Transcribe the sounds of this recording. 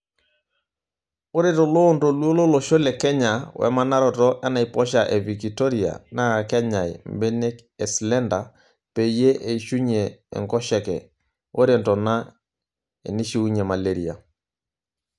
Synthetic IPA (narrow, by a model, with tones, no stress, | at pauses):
o˦ɾe˦tɔ˨lo˦nto˨lwo˦lo˦lɔ˨ʃo˦lɛ˨kɛ˦ɲa˨wʔɛ̰˨ma˦na˦ɾɔ˨tɔ˦ʔɛ˦na˨ipɔ˦ʃa˨ʔɛ˨vi˨kito˦ɾi˨a̰˨na˦˨kɛ˦ɲa˨jmbe˦ne˦k | ɛ˨slɛ˦nda˨ | pe˨je˦ʔe˨iʃu˦ɲḛː˨ŋkɔ˦ʃɛ˨kɛ̰˨ | o˦ɾentɔ˨na˦ | ḛ˨ni˦ʃi˦u˦ɲɛ˨ma˨le˦ɾi˨a̰˨